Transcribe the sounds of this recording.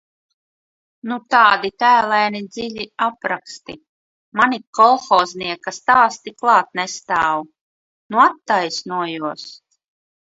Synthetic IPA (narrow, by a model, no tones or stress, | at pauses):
nut̪aːd̪it̪æːlˠajnid̪ziʎʲiapɾakst̪ḭ | manikɔlˠxɔːzniɛkast̪aːst̪iklˠɑːt̪̚nest̪aːwu | nuat̪ːajsnuɔjuɔs